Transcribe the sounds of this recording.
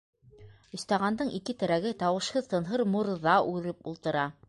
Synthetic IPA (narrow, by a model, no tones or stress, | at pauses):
ɵ̆st̪ɑʁɑnd̪ɤɴikɘt̪ɘ̆ɾæɡɘt̪ɑwɤ̆ʃhɤðt̪ɤ̆nɦɤɾmuɾðɑʔʉðɘpulˠt̪ɤ̆ɾɑ